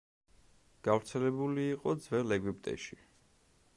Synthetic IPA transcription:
ɡ̥avɾt̪sʰɛlɛbuliːqʼɔd̪zvɛlɛɡwip̚ʼt̪ʼɛ̰ʃi

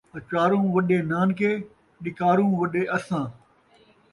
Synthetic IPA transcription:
ɐt͡ʃaːɾũːʋɐɗeːnaːnkʰeː | ɗɪkaːɾũːʋɐɗeːʔɐsãː

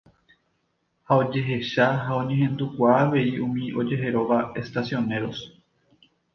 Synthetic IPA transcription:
hao̞d͡ʒe̞ɦe̞ʃaɦaõ̞ɲẽɦẽ̞nd̪ukʷaːʋe̞iũmĩʔo̞d͡ʒe̞ɦe̞ɾo̞ʋae̞st̪asjo̞ne̞ɾo̞s

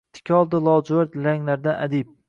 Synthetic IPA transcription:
t̪ʰɪ̥kʲɒlˠd̪ɪlˠɒd͡ʒwaɾt̪laŋlaɾd̪anʔa̰d̪ip̚

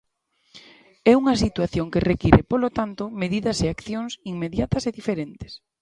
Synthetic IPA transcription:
ɛuŋɐsit̪waθjoŋkɪrekiɾɪpolot̪ant̪omeðiðɐseakθjoŋsiŋmeðjat̪ɐseðifeɾent̪ɪ̥s

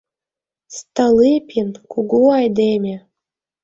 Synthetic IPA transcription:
st̪ɤ̆lipʲʰinkuɡuɑjd̪emʲĕ

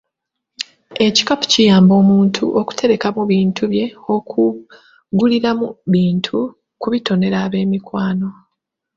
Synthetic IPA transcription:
e̞ci̥kapu̥cijaːmbo̞ːmuːntʰṵʔoku̥tʰe̞ɾe̞kamuβiːntʰuβje̞o̞kʰu | ɡuliɾamuβiːntʰu | kuβito̞ne̞ɾaːβe̞ːmikwaːno̞

